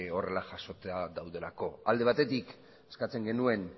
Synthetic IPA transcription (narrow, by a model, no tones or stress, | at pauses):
o̞re̞laʝaso̞t͡seaðawðe̞lako̞ald̪e̞β̞at̪e̞t̪ik | eskat͡se̞ŋɡe̞nue̞n